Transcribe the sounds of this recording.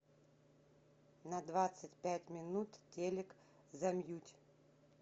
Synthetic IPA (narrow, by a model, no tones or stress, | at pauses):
nɐd̪vat̪sɨtʲpʲætʲmʲɪnut̪tʲelʲɪk | zɐmjutʲ